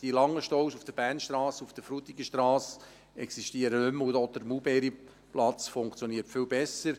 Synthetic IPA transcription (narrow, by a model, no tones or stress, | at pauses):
d̥ilɑŋːəʃtɔʊsufd̥əb̥æːnʃt̪ɾɑːsufd̥̪əfɾut̪iɡəʃt̪ɾɑːs | ɛksiʃtiəɾənʉmʊɔd̪əɾmubɛːɾi | plɑt͡sfʊŋkt͡sjɔniːərtfɪlbɛsəɾ